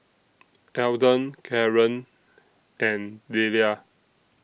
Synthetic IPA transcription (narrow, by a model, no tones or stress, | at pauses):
ʔɛwdə̃nkʰɛɹə̃n | ɛ̃ndelia